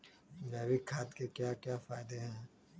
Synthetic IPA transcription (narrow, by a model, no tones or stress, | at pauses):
ɾɛːʋikʰːaːt̪kekjaːkjaːfaːɪd̪eɦɛ̃ː